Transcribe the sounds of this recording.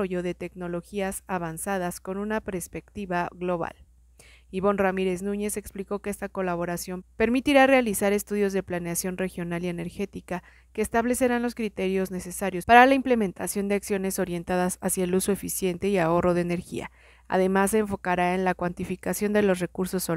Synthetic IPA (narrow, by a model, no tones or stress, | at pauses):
oʝo̞ðe̞t̪e̞kno̞lo̞xiasaβansaðaskonũnapeɾspe̞kt̪iβaɣlo̞βa̰l | iβo̞nramiɾe̞znũɲe̞se̞kspliko̞keest̪ako̞laβo̞ɾasjo̞mpe̞ɾmit̪iɾare̞alisaɾe̞st̪uðjo̞zðe̞plane̞asjo̞nre̞xjo̞nalie̞ne̞ɾxe̞t̪ika | ke̞ːst̪aβle̞se̞ɾanlo̞skɾit̪e̞ɾjo̞zne̞se̞saɾjo̞spaɾalaimple̞mẽ̞nt̪asjo̞nd̪e̞aksjone̞so̞ɾje̞nt̪aðasasjaelusoe̞fisje̞nt̪e̞iao̞ro̞ð̞e̞ene̞ɾxḭa̰ | a̰ðe̞masːe̞ːɱfo̞kaɾae̞nlakwant̪ifikasjo̞nd̪e̞lo̞s̬re̞kuɾso̞sːo